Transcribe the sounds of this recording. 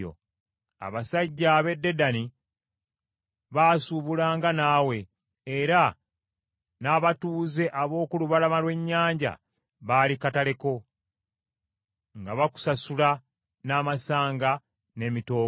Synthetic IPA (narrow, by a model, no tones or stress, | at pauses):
o̰ | a̰βasaɟːaβe̞dːe̞dani | βaːsuβulaːŋɡanaːwe̞ | eɾa | naːβatuːze̞ʔaβo̞ːkuluβalamalwe̞ɲːaːɲɟa̰ | βaːlikatale̞ko̞ | ŋɡaβaku̥sasula | naːmasaːŋɡa | ne̞mito̞ː